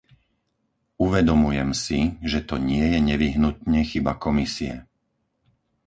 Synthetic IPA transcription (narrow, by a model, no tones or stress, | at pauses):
uʋɛd̪ɔmujɛmsiʒɛt̪ɔɲɪɛjɛɲɛʋiɦnut̪ɲɛxibakɔmisiɛ̰